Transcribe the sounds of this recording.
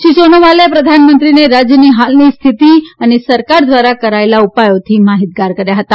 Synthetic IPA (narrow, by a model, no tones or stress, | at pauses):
ʃisonoʋalepɾəd̪ʱanmənt̪ɾineɾad͡ʒjəniɦalnist̪ʰit̪iənesəɾkaɾd̪ʋaɾakəɾaelaupajot̪ʰimaɦit̪̚ɡaɾkəɾjaɦət̪a